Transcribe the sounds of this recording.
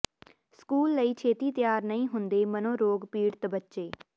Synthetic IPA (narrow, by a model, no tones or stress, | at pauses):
skuːlːəiːt͡ʃʰeːt̪iːt̪jaːɾnəĩːɦʊnd̪eːmənõːɾoːɡpiːɽt̪bətːʃeː